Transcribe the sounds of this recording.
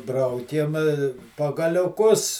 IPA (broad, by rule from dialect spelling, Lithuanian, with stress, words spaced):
ˈbrɐʊkʲeːm pɐɡɐlʲʊˈkʊs